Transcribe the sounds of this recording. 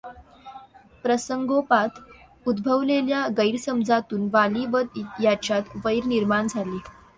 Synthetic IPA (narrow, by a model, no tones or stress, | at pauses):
pɾəsəŋɡopat̪ | ud̪bʱəʋleljaɡəjɾsəmd͡zʱat̪uːnʋaliʋət̪jat͡ɕjat̪ʋəjɾniɾmaɳd͡zʱaliː